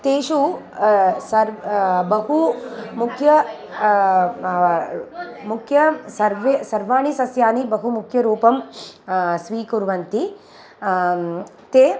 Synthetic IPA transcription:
t̪eːʃu | sɐɾbɐɦumukʰjɐ | mukʰjɐsɐɾʋesɐɾʋaːɳisɐsjaːnibɐɦumukʰjɐɾuːpɐm | sʋiːkuɾʋɐnt̪i | t̪eː

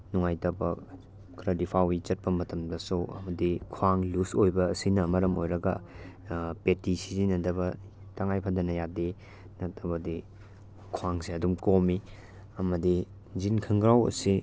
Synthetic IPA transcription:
nuŋajtɐbɐ̰ | kɾɐdipʰawit͡ʃɐt̚pɐmɐtɐmdɐsoɐ̰mɐdikʰwaŋlusojbɐːsinɐmɐɾɐmo̰jɾɐɡɐ | petisizinɐdɐbɐ | taŋajpʰadɐnɐjade | nɐtɐbɐdi | kʰwaŋsiɐdumkomi | ɐmɐdi | zinkʰɐŋɡɾawɐ̰si

